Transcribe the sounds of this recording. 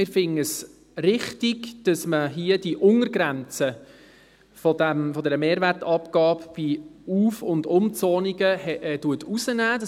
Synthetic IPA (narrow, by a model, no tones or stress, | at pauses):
ɪɾfɪŋəs | rɪχtiɡd̥ɑsməɦiəd̥iʔʊŋəɾɡ̥ɾænt͡sə | fɔdæmfɔdɛːɾəmeːɾværtɑpɡ̥ɑːpb̥iuːfʊndʊmt͡sɔːniɡəhɛtuətʰusənæːd̥ɑ